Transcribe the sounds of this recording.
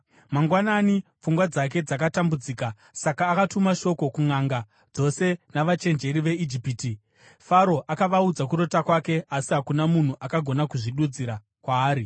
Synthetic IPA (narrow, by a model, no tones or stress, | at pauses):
maŋɡwananifuŋɡwad͡zak̬e̞d͡zakatambud͡ziːka | sakaːkatumaʃo̞ko̞kuŋaŋɡa | d͡zo̞se̞naʋat͡ʃe̞nd͡ʒe̞ɾiʋe̞id͡ʒipiːti | faɾo̞ʔakaʋaud͡zakuɾo̞takwake̞asiɦakunamun̤uʔakaɡʱo̞nakuʐiɗud͡ziɾa | kwaːɾi